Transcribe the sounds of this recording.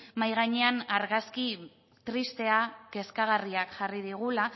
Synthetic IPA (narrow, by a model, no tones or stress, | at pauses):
majɣ̞aɲe̞anaɾɣaski | t̪ɾist̪e̞ake̞skaɣ̞ariakʝariðiɣ̞ula